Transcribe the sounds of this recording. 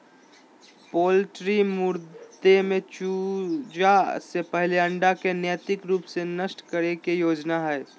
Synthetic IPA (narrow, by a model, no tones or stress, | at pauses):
poːlʈɾimʊɾd̪emẽt͡ʃuːd͡ʒasepɛɦleɐ̃ɳɖakenjɛːt̪ɪkɾuːpsenɐʃʈkəɾekejoːd͡ʒnaɦɛː